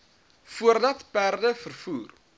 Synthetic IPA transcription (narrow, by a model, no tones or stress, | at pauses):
fuərdɐtpærdəfərfuːr